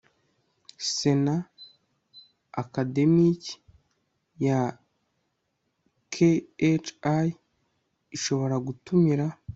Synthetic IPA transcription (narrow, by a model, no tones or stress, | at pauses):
se̞na | kade̞mic | ja | kʰeet͡ʃa | iʃo̞βo̞ɾaɡutumiɾa